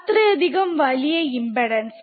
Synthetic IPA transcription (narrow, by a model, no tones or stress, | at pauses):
t̪ːɾɐjɐd̪ɪɣɐmʋɐɭɪjɐɪmbɐɽɐns